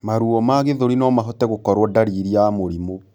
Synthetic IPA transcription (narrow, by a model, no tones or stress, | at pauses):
maɾuɔmaɣeðoɾinɔmaɦɔtɛɣokɔɾwɔdaɾiːɾiamoɾimo